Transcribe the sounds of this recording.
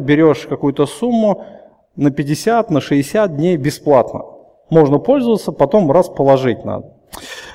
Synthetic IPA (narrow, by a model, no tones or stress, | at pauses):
bʲɪɾʲo̞ʂkɐkujʊt̪əsumːʊ | nəpʲɪdʲɪsʲat̪nəʂɨɪsʲat̪̚dʲnʲejbʲɪsplˠat̪nə̰ | mo̞ʐnəpo̞lʲzəvət̪səpɐt̪o̞mraspəlˠɐʐɨt̚ʲna̰d̪ə